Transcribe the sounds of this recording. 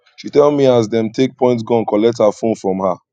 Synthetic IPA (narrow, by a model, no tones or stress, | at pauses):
ʃitɛlˠmiaz̬dɛ̃mtek̚pʰɔ̃ɪ̃ntsɡɔ̃nkɔlɛk̚thafõnfɹɔ̃mha